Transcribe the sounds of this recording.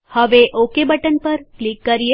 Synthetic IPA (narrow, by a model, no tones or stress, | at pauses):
həʋeʔokebəʈənpəɾklikːəɾije